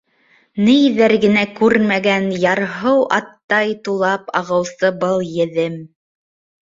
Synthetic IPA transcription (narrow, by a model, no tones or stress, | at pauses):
nijðæɾɡɘ̆nækʉɾmæɡænjɑɾɦɤwʔɑt̪ːɑjt̪ulˠɑpɑʁɤ̆wsɤbɤlˠjɘ̆ðɘm